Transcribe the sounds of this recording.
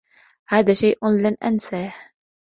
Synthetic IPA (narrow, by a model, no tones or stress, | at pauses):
haːðaːʃajʔlanʔansaːh